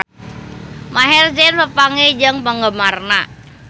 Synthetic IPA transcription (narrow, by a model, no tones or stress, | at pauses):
maɦɛrd͡ʒɛnpəpaŋed͡ʒəŋpəŋɡəmarna